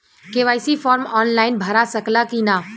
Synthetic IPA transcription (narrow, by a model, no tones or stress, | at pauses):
keʋaːɪsifʰɔːɾmɔːnlaːɪnbʱɐɾasəklakinaː